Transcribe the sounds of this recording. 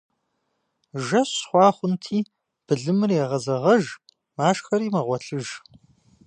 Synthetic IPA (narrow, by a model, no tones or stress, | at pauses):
ʒɐsχʷɑːχʷʊntʰiː | b̥ɨɮɨmɨrjɛʁɐzɐʁɐʒ | maːʂxɐɾiːmɐʁʷɔɬʰɨʒ